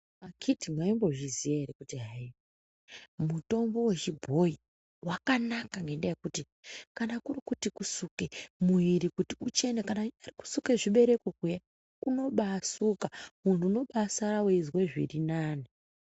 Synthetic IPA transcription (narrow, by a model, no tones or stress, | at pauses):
makʰitimwaimbo̞ʒizijaeɾikutiɦai | muto̞mbo̞we̞t͡ʃibʱo̞i | wakanakaŋɡe̞ndajekuti | kanakurikutikusukemuiɾikutiut͡ʃe̞nekanaariku̥sukeʐiɓe̞ɾe̞kokuja | kuno̞ɓasukamuntuːno̞ɓasaɾaweizweʐḭrinaːni